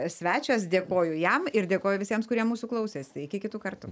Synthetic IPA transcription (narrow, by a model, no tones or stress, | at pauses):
sʲʋʲæːt͡ʃʲos̬d̪ʲeːkoːjʊjɛmɪɾd̪ʲeːkoːjʊʋʲɪsʲiɛmskʊɾʲiɛmmuːsuːklˠɐʊsʲeːstɪkʲɪkʲɪt̪uːkɐrt̪ʊ